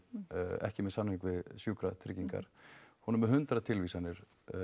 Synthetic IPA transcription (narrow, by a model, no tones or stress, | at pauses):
ɛ̰hcɪmɛðsanhiŋkvɪðsjuːkɾat̪ʰɾɪcːiŋka̰ɾ̥hunɛmɛɦʏnt̪ɾat̪ʰɪlviːsanːɪɾ̥